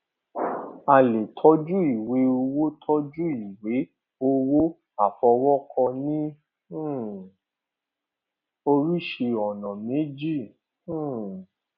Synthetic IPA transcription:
a˧le˨tʰɔ˦d͡ʒu˦i˨we˨˦o˧wo˦tʰɔ˦d͡ʒu˦i˨we˨˦ | o˧wo˦ | a˨fɔ˧wɔ˦kʰɔ̃˧nĩ˦˨ | o˧ɾi˦ʃe˧ɔ˨nã˨mẽ˨˦d͡ʒĩ˦˨˦

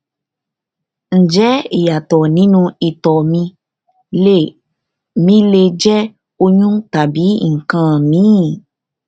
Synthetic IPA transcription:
n̩˨d͡ʒɛ˨˦i˨ja˨t̪ɔ˨nĩ˨˦nũ˧i˨t̪ɔ˨mĩ˧ | le˦˨ | mĩ˧le˧d͡ʒɛ˦ | o˧ɲũ˦t̪a˨bi˨˦ŋ̩˨kã˦mĩ˨˦˨

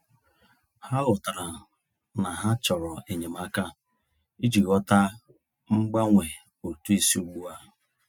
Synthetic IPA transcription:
ha˦lʊ˨ta˨ɾa˨ | na˨ɦa˦t͡ʃɔ˨ɾɔ˨e˨ɲe˨m̩˦a˦ka˦ | i˦d͡ʒi˨ɣɔ˦ta˦ | ŋ͡m̩˦ɡ͡ba˦ŋʷe˨ | o˨tu˦i˦si˦u˦ɡ͡bu˦a˦

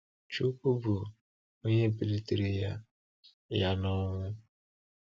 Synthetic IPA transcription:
t͡ʃu˦ku˦bu˨ | o˦ɲe˦˨pi˨le˦te˨ɾe˨ja˦ | ja˦nɔ˦ŋʷʊ˦

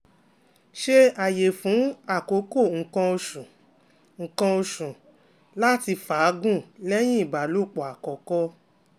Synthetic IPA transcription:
ʃe˦a˨je˨fũ˨˦a˦˨ko˨˦ko˦˨ŋ̩˧kã˧o˧ʃũ˨ | ŋ̩˨˧kã˧o˧ʃũ˨ | la˦ti˧faː˨˦ɡũ˦˨lɛ˦j̃ĩ˦i˦˨ba˨lo˦˨k͡pɔ˨a˨kɔ˨kɔ˦

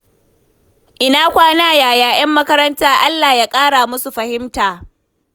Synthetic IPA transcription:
ʔɪ˦naː˦kʷaː˦naː˦jaː˨jaː˨j̰ɐ˦mːɐ˦kɐ˦ɾɐ˦ntaː˦ʔa˦lːaː˨jaː˦kʼaː˦ɽaː˨mʊ˦su˨ɸɐ˨hɪ˦mtaː˨

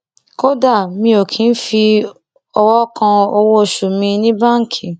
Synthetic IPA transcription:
ko˦da˦˨mĩ˧o˨kʰĩ˨˦n̩˦fi˧ | ɔ˧wɔ˦kã˧o˧wo˦˨ʃu˨mĩ˧nĩ˦bã˦˨ŋ̩˨kʰi˨

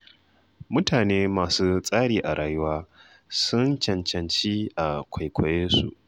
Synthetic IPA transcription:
mʊ˦tʰaː˨neː˦maː˨suː˦sʼaː˦ɽiː˨ʔa˨ɽʔaː˨jʊ˦waː˦ | sʊ˦nt͡ʃɐ˨nt͡ʃɐ˨nt͡ʃiː˦ʔa˨kʷʰa˨jkʷʰɔ˨jeː˦sṵ˨ʔ

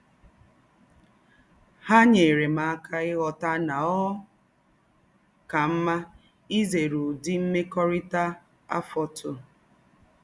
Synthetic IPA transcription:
ha˦ɲe˨ɾe˨ma˨a˦kʰa˦ɪ˦ɣɔ˨ta˦na˨ɔ˦ | ka˨m̩˦ma˦ | i˦ze˨ɾu˨di˦m̩˦me˦kɔ˦ɾɪ˦ta˦ | a̰˦fɔ˦tʊ˦

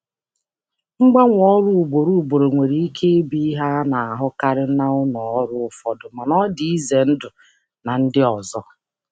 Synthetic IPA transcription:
ŋ͡m̩˦ɡ͡ba˦ŋʷ˦ɔ˦ɾu˦˨u˨ɡ͡bo˨ɾu˦˨u˨ɡ͡bo˨ɾo˨ŋʷe˨ɾi˨i˦kʰe˦e˦bi˦i˦ɦa˦na˨a˨ɦʊ˦ka˦ɾɪ˦na˦ʊ˦nɔ˨ɔ˦ɾʊ˦ʊ˦fɔ˦dʊ˨ma˨nɔ˦di˨i˦ze˨n̩˦dʊ˨ | na˨n̩˦dɪ˦ɔ˨zɔ˦

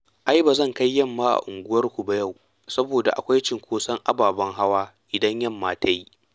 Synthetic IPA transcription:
ʔa˦jbaː˨zɐ˦˨ŋka˦jːɐ˦˨mːaː˦ʔa̰˨ʔʊ˨ŋɡʷʊ˦wɐ˦rkʷu˨ba˦ja˦˨w | sɐ˦boː˨da˨ʔa̰˨kʷa˦jt͡ʃɪ˨ŋkʷoː˦sɐ˦ŋʔa˦baː˨bɐ˦ŋɦa˦waː˦ʔɪ˨dɐ˦ɲjɐ˦˨mːaː˦tʰa˦ji˦

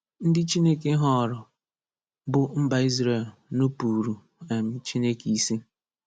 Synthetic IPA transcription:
n̩˦dɪ˦t͡ʃi˦ne˦ke˦ɦɔ˦˨ɾɔ˨ | bʊ˨m̩˦ba˨i˦zɾe˦˨lnu˦pu˨ɾu˨ | a˨mɪ˨t͡ʃi˦ne˦ki˦si˦

